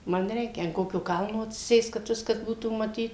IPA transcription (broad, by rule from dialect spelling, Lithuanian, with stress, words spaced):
ˈmɐn ˈrʲɛɪkʲɛ ɐn ˈkoːkʲoː ˈkɐlˠnoː ɐtʲsʲɪˈsʲeːst kɐt ˈʋʲɪskɐs ˈbuːtuː mɐˈtʲiːt